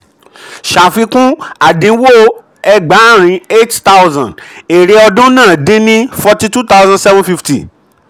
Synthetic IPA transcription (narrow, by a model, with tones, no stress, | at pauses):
ʃa˨fi˧kũ˦a˨dĩ˨˧˦wo˦ | ɛ˧ɡ͡ba˨˦ɾ̃ĩ˨˧˦e˦tta˦wzã˨e˨ɾe˧ɔ˧dũ˦nãː˦˨de˦nĩ˦fɔ˧ti˧tu˦ta˦wzã˧sɛ˦vɔ̃˦fi˧ftḭ˨